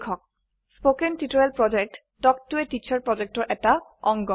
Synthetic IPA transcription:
kʰɔk̚ | spokɛntitoɹɛlpɹɔd͡ʒɛk̚t | tɔk̚tuetit͡ʃʰaɹpɹɔd͡ʑɛk̚tɔɹʔɛtaɔŋɡɔ

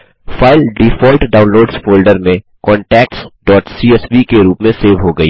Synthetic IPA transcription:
faːɪlɖifɔːlʈɖaːʊ̃nloːɖzfoːlɖəɾmẽ | kɔ̃ːɳʈɛːk̚ʈsɖɔːʈsiɛsʋikeɾuːpmẽseːʋɦoɡɐiː

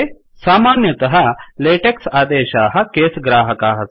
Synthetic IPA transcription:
saːmaːnjɐt̪ɐɦɐ̆leːʈeksaːd̪eːʃaːɦɐ̆keːsɡɾaːɦɐkaːɦɐ

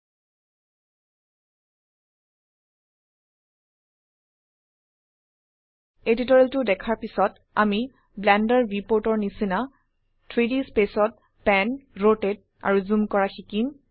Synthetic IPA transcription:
editɔɹiltʊdɛkʰaɹpisɔt | a̰mi | blɛndɔɹɹipoɹtɔɹnisina | tʰɹidispesɔt̚ | pɛnɹoted̚ | a̰ɹuzumkɔɹaxikim

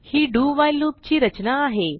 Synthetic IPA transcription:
hiːɖuːʋajluːpt͡ɕiːɾət͡ɕnaːɦe

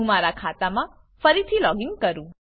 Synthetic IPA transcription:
ũmaɾakʰat̪amã | fəɾit̪ʰilɔɡiŋɡ̚kəɾũ

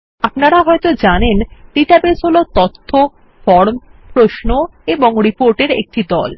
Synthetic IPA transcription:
apnaɾaɦɔjt̪od͡ʑanenʈiʈabesɦolot̪ɔt̪ʰːo | fɔɾmpɾoʃnoeboŋɾipoɾʈeɾḛk̚ʈid̪ɔ̰l

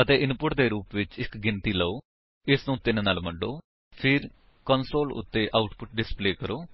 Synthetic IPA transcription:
ət̪eːɪnpʊʈd̪eːɾuːpʋɪt͡ʃɪkɡɪnt̪iːləoː | ɪsnũːt̪ɪnːnaːlməɖoː | pʰɪɾ | kənsoːlʊ̰t̪ːeːʔaːʊʈpʊʈ̚ɖɪspleːkəɾoː

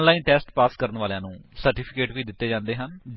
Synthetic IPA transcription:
nlaːĩːnʈɛːsʈpaːskəɾənʋaːljãːnũːsəɾʈiːpʰɪkeːʈʋiːd̪ɪt̪ːeːd͡ʒãːnd̪eːɦənd͡ʒ

